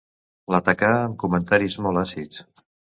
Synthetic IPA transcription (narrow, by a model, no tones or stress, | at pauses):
lət̪akaəmkumənt̪aɾizmɔlˠasit͡s